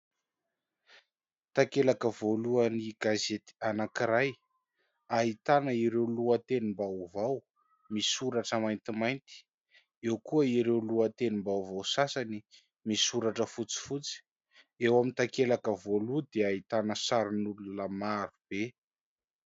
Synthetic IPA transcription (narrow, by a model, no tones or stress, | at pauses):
t̪akelakəvoluəniɡazet̪i̥anakiɾaj | aɦit̪anəiɾewluət̪enimbawvaw | misuɾaʈ͡ʂəmajnt̪imajnt̪i̥ | ewkuəiɾewluət̪enimbawvawsasani | misuɾaʈ͡ʂəfut͡si̥fut͡si̥ | ewamint̪akelakəvolud̪eait̪anəsaɾinulunəmaɾub̥e